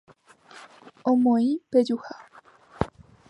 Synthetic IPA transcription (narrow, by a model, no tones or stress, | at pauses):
omõĩped͡ʒuha